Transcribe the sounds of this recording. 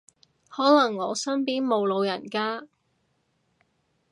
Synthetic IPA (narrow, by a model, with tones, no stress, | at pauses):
hɔː˨˥lɐ˨˩ŋːɔː˨˧sɐ˥npiː˥nmo˨˧wlo˨˧wjɐ˨˩nkaː˥